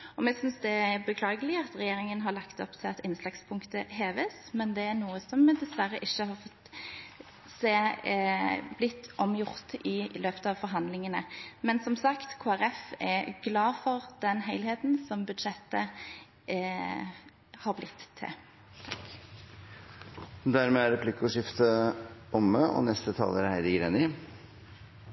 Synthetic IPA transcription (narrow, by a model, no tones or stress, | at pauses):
ɔmɛsʏnsd̪ɛæbəkʰlɑːɡəlɪɑt̪ɾɛjeːɾɪŋənɦɑɾlɑkt̪ɔ̰pt̪ʰɪɑt̪ɪnslɑkspʰʊŋkt̪əɦeːʋəsmɛnd̪ɛæɾnuːəsɔmːɛd̪ɛsʋæɾəʔɪçːəhɑʁfɔt̪ | seː | blɪt̪ːɔmjʊʁt̪ʔɪløːpə̥t̪əɑʋfɔɾɦɑnd̪lɪŋənə̰mɛnsɔmsɑkt̪kʰoːæɾɛfɛɡlɑːfɔʁd̪ɛnɦeɪlheːt̪nsɔmbʉd̪ʃɛt̪ə | hɑːʁblɪt̪ʰːɪ̰ | d̪æɾmeːæɾɛpʰlɪkʊʂɪft̪əɔmːəʔɔ̰nɛst̪ət̪ʰɑ̰ːləɾhæɪd̪ɪɡɾeːnɪ